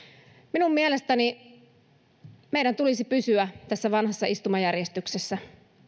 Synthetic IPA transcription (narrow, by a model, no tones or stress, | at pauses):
minummielest̪æni | meiɾænt̪ulisipysyæt̪æsːæʋɑnhɑsːɑist̪umɑjærjest̪yksesːæ